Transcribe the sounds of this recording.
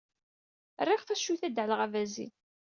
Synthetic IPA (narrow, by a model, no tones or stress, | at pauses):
rːɪʁθæʃːuθæd̪ʕəlʁævæzḭn